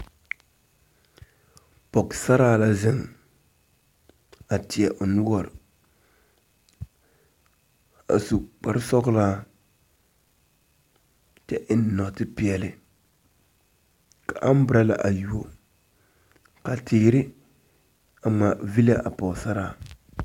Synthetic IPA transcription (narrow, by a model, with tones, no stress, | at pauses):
pɔ˨ksa˦ɾaː˦la˦zɪ˦ŋ | a˨tɪ˨ɛ˨ʔʊ˨nʊ˦wɔ˦˨ɾɪ˨ | a̰˨su˨k͡pa˨ɾɪ˦sɔ˦ɣlaː˦ | tɛ˦ʔɪ˦n˦nɔ˨tɪ˦pɪ˦ɛ˨lɪ˦ | ka˨ʔa˦m˦bɾa˦la̰˨ʔa˨ju˨o˨ | ka˨tʰɪ˨˦ɾɪ˦ | a˨ŋ͡ma˨vi˦la˦ʔa˨pɔ˨ksa˦ɾaː˦˨